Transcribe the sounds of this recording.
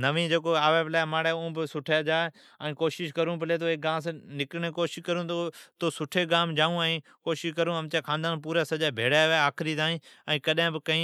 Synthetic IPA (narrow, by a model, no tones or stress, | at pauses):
nɐʋĩd͡ʑeːkoaːʋebɪlaːɪmaːɽeʊ̃bɪsʊʈʰad͡ʒaːe | ɛ̃ːkoːʃɪʃkɐɾũbɪleːt̪̬oeːk̚ɡãːms̬ãnɪkɾɽ̃ekoːʃɪʃkɐɾũt̪ot̪oːsʊʈʰeɡãːmd͡ʑaːũaĩː | koːʃɪʃkɐɾũɐmt͡ɕaːkʰãːnd̪aːnpuːɾasɐʄabʱeːɽaʋaaːkʰɪɾit̪aːĩːɛ̃ːkɐɗɦɪ̃bɪkɐ̃ĩː